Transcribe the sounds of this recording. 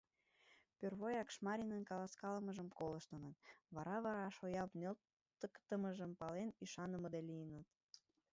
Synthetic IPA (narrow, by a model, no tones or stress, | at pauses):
pørβojɑkʃmɑɾʲinənkɑlɑskɑləməʒəmkoləʃt̪ənət̪βɑɾɑβɑɾɑʃojɑpnel | t̪əkt̪əməʒəmpɑlenyʃɑnəməd̪elijənət̪